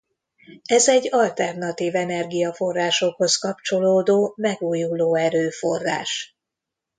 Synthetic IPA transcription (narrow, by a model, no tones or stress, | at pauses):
ɛzɛɟːɒlt̪ɛrnɒt̪iːvɛnɛrɡijɒfo̞rːaːʃo̞kho̞skɒp̚t͡ʃo̞loːd̪oːmɛɡuːjuloːɛɾøːfo̞̰rːa̰ːʃ